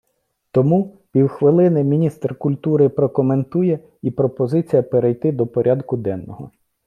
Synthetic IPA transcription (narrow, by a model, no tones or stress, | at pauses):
t̪ɔmu | pʲiwxʋɪlˠɪnɪmʲinʲist̪rkʊlʲt̪uɾɪpɾɔkɔment̪ujɛ | ipɾɔpɔzɪt͡sʲijɐpeɾejt̪ɪd̪ɔpɔɾʲʔɑd̪kʊd̪ɛnːɔɦɔ̰